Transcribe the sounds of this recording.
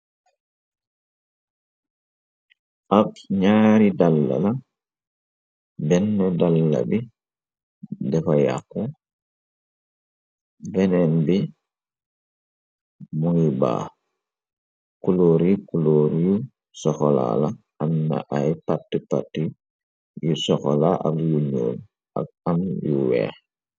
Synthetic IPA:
ʔabɲaːɾidalːa̰la | bɛnːɛdalːa̰bi | dɛkɔja̰kːɔ | bɛnɛnbi | muŋiba̰ː | kuloːɾikuloːɾju | sɔxɔla̰la | ʔamna̰ʔajpatːipatːi | jusɔxɔlaʔa̰mjuɲo̰ːn | a̰ɡ̚amjṵwɛ̰ː

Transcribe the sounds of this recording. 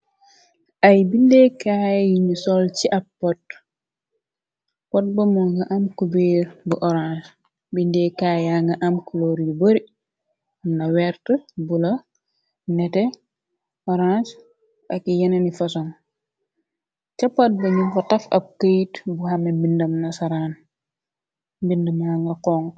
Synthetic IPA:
ʔɐjbindekajjinisɔlt͡ʃiʔɐpːɔt | pɔt̚bɐmɔŋɡaʔamkubeːɾbuʔɔɾãns | bindɛkajaŋɡaʔamkuloɾiboɾi | nawɛɾtəbulɐ | nɛtɛ | ɔɾãns | ɐkːijɐnɐnifɐsɔŋ | t͡ʃɐpːat̚bɐɲumfɐtɐfɐ̰b̚kəjitbuhɐmɛbindɐmnɐsɐɾaːn | mbindəmaŋɡɐkɔːŋ

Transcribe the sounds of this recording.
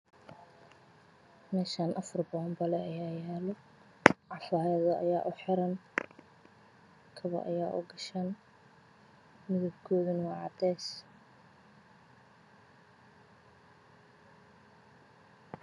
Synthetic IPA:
mɛːʃaːnʔɐfɔrbɔɐmbɐlɛɐjaːjaːlɔ | ʕɑfaːjɐðɐʔɐ̰jaːʔʊħɪɾɐn | kʰɐβɐ̰ʔɐ̰jaːʔʊ̰ɡɐʃaːn | mɪðɐb̚kʰɔːðɪnwɑʕɑd̪ɛːs

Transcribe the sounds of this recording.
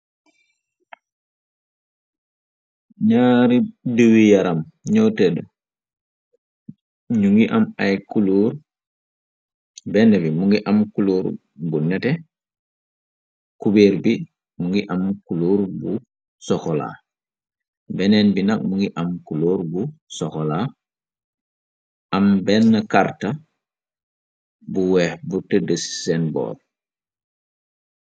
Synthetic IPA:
ɲaɾiduwijaɾamɲɔtɛdɔ | ɲuŋɡiʔamajkuluːɾ | bɛnɛbimuŋɡiʔamkuluɾ | bunɛtɛ | kubeɾbi | muŋɡiʔamkuluːɾbu | sɔxɔla̰ː | bɛnɛnbinak̚muŋɡiʔamkuluːɾbusɔxɔla | ʔambɛnːɐkaɾta | buwɛhbutədəsi̥sɛnbɔ̰ːl

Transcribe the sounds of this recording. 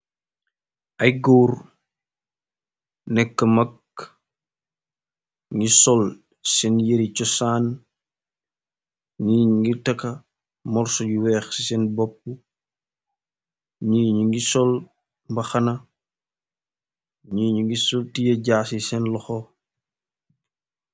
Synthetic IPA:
ʔɐjɡoːr | nɛkːɐmɐk | ŋɡisɔl | sɛnjeɾit͡ʃɔsaːn | ɲiːɲŋɡitɐkɐ | mɔrsɔɟuwɛːxsisɛnbɔp̚ːu | ɲiɲuŋɡisɔl | mbɐxɐnɐ | ɲiːɲuŋɡisɔltijɐɟaːsisɛnlɔxɔ

